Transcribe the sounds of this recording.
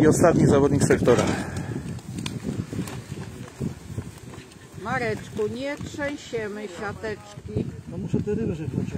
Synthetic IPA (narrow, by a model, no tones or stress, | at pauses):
iɔst̪at̪ɲizavɔd̪ɲixsɛkt̪ɔɾax | maɾɛt͡ʂkuɲɛtʂɛw̃ɕɛmɘɕat̪ɛt͡ʂkʲit̪ɔmuʃɛt̪ɛɾɪvaʒɛkut͡ɕ